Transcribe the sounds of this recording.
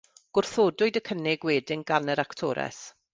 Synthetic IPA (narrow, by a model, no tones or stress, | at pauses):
ɡ̥ʊrθoːdʊɨdəkʰənɪɡweːdɪŋɡanəɾaktʰɔ̰ːɾɛ̰s